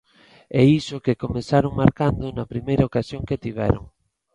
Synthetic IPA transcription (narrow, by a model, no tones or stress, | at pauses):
ɛisʊkekomesaɾoŋmaɾkand̪ʊnɐpɾimejɾɐokasjoŋket̪iβɛ̰ɾo̰ŋ